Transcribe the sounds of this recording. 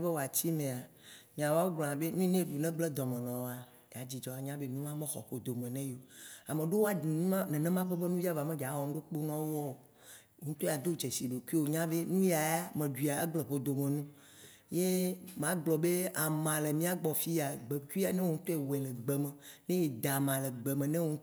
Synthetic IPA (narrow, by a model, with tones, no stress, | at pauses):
be˦wo˨a˨t͡ɕi˦mẽ˨a˨ | ɲĩ˨ã˨wo˦a˦wo˦ɡ͡blɔ̃˨ã˨be˦nũ˦i˦nẽ˦ɖu˨nɛ̃˦ɡ͡ble˦d̪ɔ˨mẽ˨nɔ̃˨wa˨ | ja˨d͡ʑi˨d͡ʒɔ˨a˨ɲã˦be˦mĩ˦m˦ã˦mẽ˦xɔ̰˨ɸo˨d̪o˨mẽ˨nɛ̃˦jo˨a˨mẽ˨ɖe˦wo˦a˨nũ˦nɛ̃˨nɛ̃˦mã˦ɸe˦be˦nũ˦vi˦a˦va˨mẽ˦ɡa˨˦wɔ˨ŋ̩̃˦ɖo˦k͡po˦nɔ̃˦wɔ˦o˨ | o˨ŋ̩ũ˦t̪o˦a˨d̪o˦d͡ʒe˨si˨ɖo˨ki˦wo˨ɲã˦be˦nũ˦ja˨ja˦mẽ˨ɖwi˨a˨ḛ˦ɡ͡ble˨ɸo˨d̪o˨mẽ˨nũ˦ | je˦mã˦ɡ͡blɔ˨be˦a˨mã˨le˨mĩ˦a˦˨ɡ͡bɔ˨fi˦a˨ɡ͡be˨ku˦i˦a˨nɛ̃˦wo˦ŋũ˦t̪o˦e˦˨we˨le˨ɡ͡bɛ˨mɛ̃˨ | nẽ˦je˨d̪a˨mã˨le˨ɡ͡be˨mẽ˨nɛ̃˦wõ˦